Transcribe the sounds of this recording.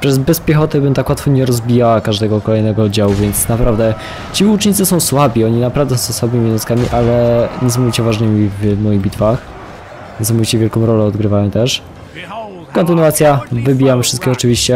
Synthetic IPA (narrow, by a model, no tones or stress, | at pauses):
pʂɛzbɛspʲjɛxɔt̪ɛbɘmt̪akwat̪fɔɲɛɾɔzbʲijawakaʐd̪ɛɡɔkɔlɛjnɛɡɔɔd̪d͡ʑawuvʲɛnt̪snapɾavd̪ɛ | t͡ɕiut͡ʂɲit̪sɨsɔ̃w̃swabʲiɔɲinapɾavd̪ɛsɔ̃w̃swabɘmʲinɔskamʲiʔalɛɲɛs̬ãmɔvʲit͡ɕɛvaʐnɘmʲivmɔjiɣbʲit̪fax | ɲɛs̬amɔvʲit͡ɕɛvʲjɛlkɔ̃w̃ɾɔlɛɔd̪ɡɾɘvajɔ̃w̃t̪ɛʂ | kɔnt̪ɘnuat̪sʲjavɘbʲijamfʂɘst̪kʲixɔt͡ʂɘvʲiɕt͡ɕɛ